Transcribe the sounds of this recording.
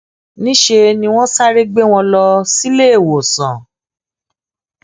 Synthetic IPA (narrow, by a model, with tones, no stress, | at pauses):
nĩ˦ʃe˧nĩ˧w̃ɔ̃˦sa˦ɾe˦ɡ͡be˦w̃ɔ̃˧lɔ˧si˦le˦e˨wo˨sã˨